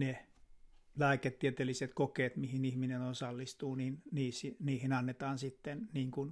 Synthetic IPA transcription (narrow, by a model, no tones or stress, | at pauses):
ne | læːket̪ːiæt̪elːiset̪kokeːt̪mihinihminenonsɑlːist̪uːninniːsiniːhinɑnːet̪ɑːnsit̪ːenniːŋkun